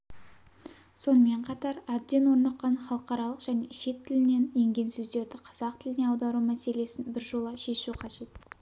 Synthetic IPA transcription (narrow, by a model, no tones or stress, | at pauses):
so̞nəme̞ɴqʰɑt̪ɑɾæb̚d̪e̞nwo̞ɾnɑqːɑnχɑlˠəqɑɾɑlˠəqʒ̥æne̞̰ʃe̞t̪ʰːɪlɪne̞nje̞ŋɡʲe̞nsɵzd̪e̞ɾd̪ɪqʰɑz̥ɑqt̪ʰɪlɪne̞ɑwd̪ɑɾumæse̞le̞sɪnbɪɾʒo̞lˠəʃe̞ʃuqʰɑʒe̞t̪